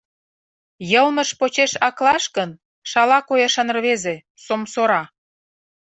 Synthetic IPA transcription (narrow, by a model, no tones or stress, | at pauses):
jəlmə̆ʃpot͡ɕeʃɑklɑʃkən | ʃɑlɑkojɑʃɑn̆rβeze | somsoɾɑ